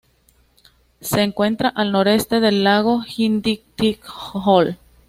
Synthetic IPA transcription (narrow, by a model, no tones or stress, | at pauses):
se̞ːŋkwe̞nt̪ɾaʔalno̞ɾe̞st̪e̞ðe̞lːaɣ̞o̞xind̪ikt̪ikhol